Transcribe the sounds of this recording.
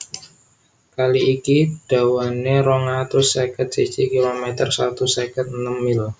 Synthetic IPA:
kaliːkid̥awaneɾoŋat̪ɾʊsːekət̪̚sit͡ʃikilomɛt̪ərsat̪usɛkət̪̚nəmɪl

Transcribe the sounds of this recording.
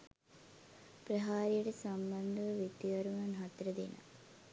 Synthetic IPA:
pɾɐɦaːɾijuɽesɐmbɐnd̪ɐʋɐʋet̪ːiʋɐɾumɐnɦɐt̪ɾɐd̪ḭnɐ̰

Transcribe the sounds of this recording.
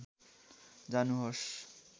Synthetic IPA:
d͡zanuɦos

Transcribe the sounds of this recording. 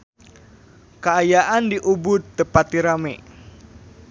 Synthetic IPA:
kəajaʔandiʔubʊt̪̚ːəpat̪iɾame

